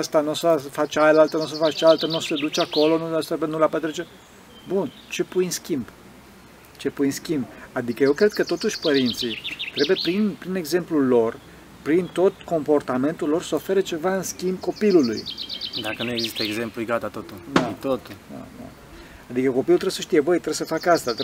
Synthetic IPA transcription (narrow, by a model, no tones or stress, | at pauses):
əst̪anusasfat͡ʃajəlalt̪ənus̬əfat͡ʃt͡ʃaalt̪ənused̪ut͡ʃako̞lo̞nust̪ɾebenulapət̪ɾet͡ʃe | bun | t͡ʃe̞pujnskʲimb | t͡ʃe̞pujnskʲimbad̪ikəje̞wkɾe̞d̪̚kət̪o̞t̪uʃʲpəɾint̪sit̪ɾebujepɾinpɾine̞ɡze̞mplulo̞r | pɾint̪o̞t̪ko̞mpo̞rt̪ame̞nt̪ulːo̞rsəo̞fe̞ɾət͡ʃe̞vaɨnskʲimbko̞pilulṵjd̪akənuje̞ɡzist̪əeɡze̞mplujɡat̪at̪ot̪ulnat̪ot̪ulna̰na̰ | ad̪ikəko̞pilult̪ɾeesəʃt̪ijebəjt̪ɾebesəfakast̪at̪